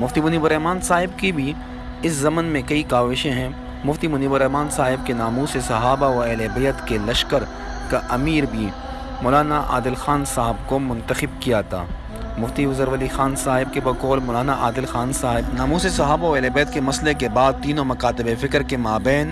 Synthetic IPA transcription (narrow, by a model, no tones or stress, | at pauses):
mʊft̪imʊniːbʊɾɛɦmaːnsaːɦɪbkibʱi | ɪszɐmənmẽkɐikaːʋɪʃẽɦɛ̃ | mʊft̪imʊniːbʊɾɛɦmaːnsaːɦɪb̚kenaːmuːsesɐɦaːbaoɛːlebejət̪kelɐʃkəɾ | kaʔɐmiːɾbʱi | mɔːlaːnaʔa̰ːd̪ɪlxaːnsaːɦɪbkomʊ̃nt̪əxɪb̚kijat̪ʰa̰ː | mʊft̪iʋʊzəɾʋɐlixaːnsaːɦɪb̚kebɐkɔːlmɔːlaːnaʔa̰ːd̪ɪlxaːnsaːɦɪbnaːmuːsesɐɦaːbaoɛːlebeːət̪kemɐslekebaːd̪̚t̪iːnõmɐkaːt̪ɪbefɪkɾkemaːbɛːn